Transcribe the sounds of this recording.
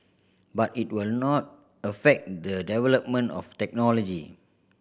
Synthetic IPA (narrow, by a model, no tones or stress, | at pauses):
batit̚wilnɔt̚ | əfɛk̚dədɛvɛləp̚mə̃nɔ̰ftɛk̚nɔlɔd͡ʒi